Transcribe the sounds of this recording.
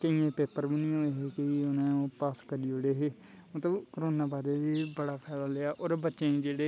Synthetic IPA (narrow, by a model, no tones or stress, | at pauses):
kəijẽːpeːpəɾbənɪjõːeɦeːkɪʊnẽːõːpaːskəɾiːoɽeːɦeː | mət̪ləbkəɾoːnaːbaːd̪eːʋiːbəɽaːpʰɛːlaːleːaːʔoːɾbətːʃẽːĩːd͡ʒeːɽeː